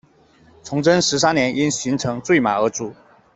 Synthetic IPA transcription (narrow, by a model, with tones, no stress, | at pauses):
t͡sʰʊ˧˥ŋʈ͡ʂə˥nʂɻ̩˧˥s̬a˥njɛ˧˥nʔi˥nɕi˧˥ŋʈ͡ʂʰɤ˧˥ŋt͡swe˥˩ɪma̰˨˩ə˧˥ʈ͡ʂu˨˩˦